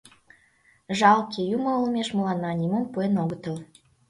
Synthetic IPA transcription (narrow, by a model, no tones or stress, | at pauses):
ʒɑlkʲejumɤ̆olˠmʲeʃmə̆lɑnːɑnʲimompuenoɡət̪ə̆l